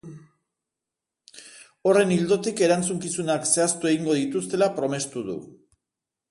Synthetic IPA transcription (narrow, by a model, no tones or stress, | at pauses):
o̞re̞nild̪o̞t̪ike̞ɾant͡suŋkisunakse̞ast̪ue̞ɣiŋɡo̞ðit̪ust̪e̞lapɾo̞me̞st̪uðṵ